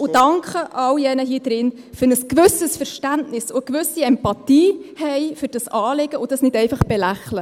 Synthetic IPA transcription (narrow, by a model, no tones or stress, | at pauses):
ʊdɑŋkχəʔɑwjɛnəɦiːd̥ɾɪn | fʏɾnəskʋʏsəsfɛɾʃtæntnɪsʊəkʋʏsiɛmpɑtiːhɛɪfʏɾd̥ɑsɑːleɡ̥əʊdɑsnɪdɛɪfɑχb̥ɛlæχlə